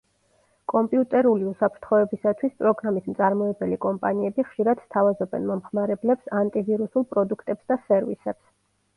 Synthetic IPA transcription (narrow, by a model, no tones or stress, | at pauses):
kʼɔmpʼiut̪ʼɛɾuliusapʰɾt̪ʰχɔɛbisat̪ʰwispʼɾɔɡɾamismt̪sʼaɾmɔɛbɛlikʼɔmpʼaniɛbiχʃiɾad̪̥st̪ʰavazɔbɛ̰nmɔmχmaɾɛblɛpsant̪ʼiviɾusulˠpʼɾɔd̪ukʰt̪ʼɛpsd̪asɛɾvḭsɛps